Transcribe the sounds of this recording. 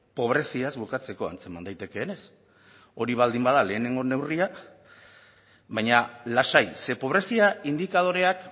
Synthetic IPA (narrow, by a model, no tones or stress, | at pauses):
po̞β̞ɾe̞siazbukat͡se̞ko̞a̰nt͡se̞mand̪ajt̪e̞ke̞ːne̞s | o̞ɾiβald̪imbað̞ale̞ːne̞ŋɡo̞ne̞wria | βajɲalasajse̞po̞β̞ɾe̞siaind̪ikað̞o̞ɾe̞ak